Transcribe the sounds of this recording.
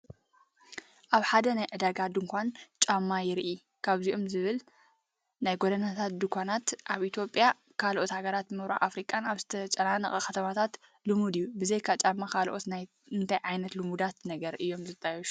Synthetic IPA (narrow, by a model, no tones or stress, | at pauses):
ʔaβħad̪ɐnajʕɨd̪aɡad̪ɨŋkʷʰant͡ʃʼamːajɪɾʔi | kʰaβziʔomzɨβɨl | najɡod̪ɐnat̪ʰat̪̚d̪ɨkʷʰanat̪ʔaβʔit̪ʰjo̞pʼja | kʰalʔo̞t̪haɡɐɾat̪mɨβɾa̰ʔa̰fɾikʼːanaβzɨt̪ʰɐt͡ʃʼɐnanɐxʼɐkɐt̪ʰɐmat̪ʰat̪ | lumud̪ɨjːubɨzejkʰat͡ʃʼamːakʰalʔo̞t̪na | ɨnt̪ʰajʕajnɐt̪lumud̪at̪nɐɡɐɾʔɨjːo̞mzɨt̪ʼːajɛʃu̥